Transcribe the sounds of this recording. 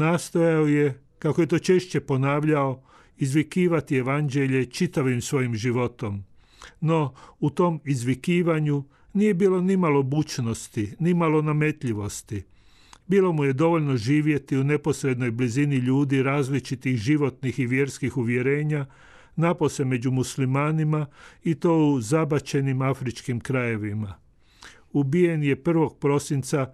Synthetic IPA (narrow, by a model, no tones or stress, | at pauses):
naːst̪ojaoje̞ | kakoje̞t̪o̞ːt͡ʃe̞ʃt͡ɕe̞po̞naːʋʎao̞ | izʋikiːʋat̪ie̞ʋand͡ʑe̞ʎe̞t͡ʃit̪aʋimsʋo̞jimʒiʋo̞t̪o̞m | no̞ut̪o̞mizʋikiːʋaɲu | nije̞biːlo̞nimalo̞but͡ʃno̞st̪inimalo̞name̞t̪ʎiʋo̞st̪i | biːlˠo̞muje̞d̪o̞ʋo̞ʎno̞ʒiːʋje̞t̪iune̞po̞sɾe̞d̪no̞jbliziniʎuːd̪iɾaːzlit͡ʃit̪ixʒiʋo̞t̪nixiʋje̞ɾskixuʋje̞ɾe̞ːɲa | napose̞me̞d͡ʑumuslimaːnimait̪o̞ːuzabat͡ɕe̞nimafɾit͡ʃkimkɾaje̞ʋima | ubije̞nje̞pr̩ʋo̞ɡ̚pɾo̞sint̪sa